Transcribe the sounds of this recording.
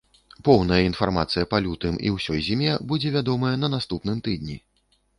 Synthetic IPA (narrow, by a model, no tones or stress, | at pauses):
pɔwnɐjɐin̪farmat̪sɨjɐpɐlʲut̪ɨmḭwsʲɔjzʲimʲɛbud͡zʲɛvʲad̪ɔmɐjɐnɐnast̪upnɨmt̪ɨd̪nʲi